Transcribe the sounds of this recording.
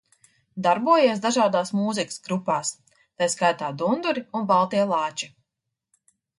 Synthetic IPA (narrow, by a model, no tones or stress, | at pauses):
d̪aɾbuɔjiɛsd̪aʒaːd̪aːsmuːzikɨ̥sɡɾupaːs | t̪ajskajt̪aːd̪und̪uɾiunbalˠt̪iɛlˠɑːt͡ʃi